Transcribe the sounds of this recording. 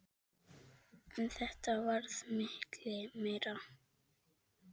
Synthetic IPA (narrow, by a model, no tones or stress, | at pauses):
ɛnθɛht̪avaɾθmɪhklɪmeɾa